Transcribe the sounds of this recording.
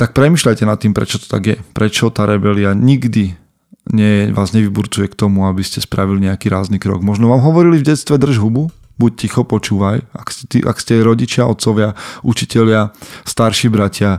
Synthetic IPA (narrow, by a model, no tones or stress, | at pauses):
t̪ak̚pɾɛmiːʃlajcɛnat̪ːiːmpɾɛ̰t͡ʃɔt̪ɔ̥t̪a̰ɡjɛpɾɛt͡ʃɔt̪aːɾɛbɛliaɲiɡd̪i | ɲɛʋaːzɲɛʋibuɾt͡sujɛkt̪ɔmuabiscɛspɾaʋiliɲɛakiːɾaːznikɾɔ̰ɡmɔʒnɔʋaːmɦɔʋɔɾilivɟɛt̪st̪ʋɛd̪r̩ʒɦubu | buc̚cixɔpɔt͡ʃuːʋajakscɛt̪ḭʔa̰kscɛɾɔɟit͡ʃɪaʔɔt̪sɔʋɪaʔut͡ʃicɛʎɪast̪aɾʃiːbɾacɪa